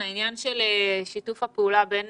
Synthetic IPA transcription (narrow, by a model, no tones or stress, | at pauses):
ainjanʃeleʃitufapeulaben